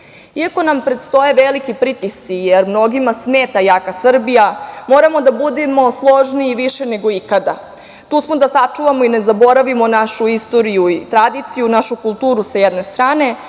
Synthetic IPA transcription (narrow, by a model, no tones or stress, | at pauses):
iako̞nampɾe̞t̪st̪o̞je̞ʋelikipɾit̪ist̪sijeɾmno̞ɡimasmeːt̪ajaːkasr̩bijamo̞ːɾamo̞d̪abud̪emo̞slˠo̞ʒniːʋiʃene̞ɡo̞ikad̪a | t̪uːsmo̞d̪asat͡ʂuʋamoine̞zabo̞ɾaʋimo̞naʃuist̪o̞ɾijuit̪ɾad̪it̪sijunaʃukulˠt̪uːɾusajed̪nest̪ɾaːne̞